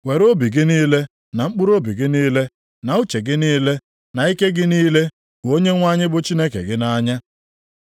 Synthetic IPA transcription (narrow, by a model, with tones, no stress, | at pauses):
we˨ɾo˦bi˨ɡɪ˦niː˦le˦ | na˨ŋ͡m̩˦k͡pu˦ɾo˦bi˨ɡɪ˦niː˦le˦ | na˨u˦t͡ʃe˨ɡɪ˦niː˦le˦ | na˨i˦ke˦ɡɪ˦niː˦le˦ | kʊ˨o˦ɲe˦ŋʷa˦ɲɪ˦bʊ˦t͡ʃi˦ne˦kḛ˨ɡɪ˦na˦ɲa˦